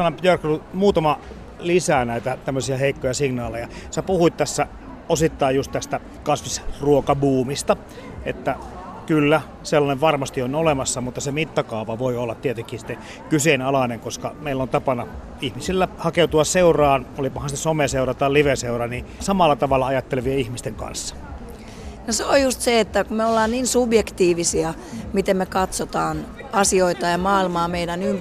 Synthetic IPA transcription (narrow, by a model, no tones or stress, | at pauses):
ɑnopjørkrumuːt̪ɑmɑ | lisænæit̪æt̪æmːøsiæheikːojɑsiŋnɑːlejɑsæpuhuit̪t̪æsːæ | osit̪ːɑijjust̪t̪æst̪æ | kɑsʋisruokɑbuːmist̪ɑ | et̪ːæ | kylːæ | selːɑneʋʋɑrmɑst̪ionolemɑsːɑmut̪ːɑsemit̪ːɑkɑuʋɑʋoiolːɑt̪t̪iet̪eŋkːˑiːsi̥t̪ːe | kysenɑlɑneŋkoskɑ̰meilːont̪ɑpɑnɑ | ihmisilːæhɑkeut̪uɑsseurɑːnolipɑhɑnsesomeseurɑt̪ɑliʋeseurɑnisɑmɑlːɑt̪ɑʋɑlːɑɑjɑt̪ːeleʋieihmist̪eŋkɑ̰nsːɑ̥ | noseojjust̪seet̪ːækumeolːɑːnniːnsubjekt̪iːʋisiɑ | mit̪emmekɑt̪sot̪ɑːn | ɑsioit̪ɑjɑmɑːilmɑːmeiɾænymp